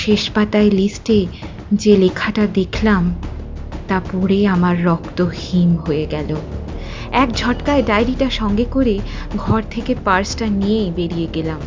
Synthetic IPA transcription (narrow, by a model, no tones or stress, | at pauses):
ʃeʃpat̪aelisʈe | d͡ʑelekʰaʈad̪ekʰlam | t̪apɔɾeamaɾːɔkt̪ohimɦoeɡɛlo | ɛkd͡ʑʱɔʈkaeɖajɾiʈaʃɔŋɡekoɾe | ɡʱɔɾt̪ʰekepaɾsʈanijebeɾijeɡelam